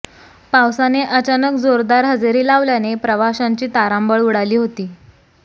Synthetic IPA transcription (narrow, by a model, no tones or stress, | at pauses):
pawsaneʔət͡ɕanəkd͡zoɾd̪aɾɦəd͡zeɾiːlaʋljanepɾəʋaɕaɲt͡ɕiːt̪aɾambəɭuɽaliːɦot̪iː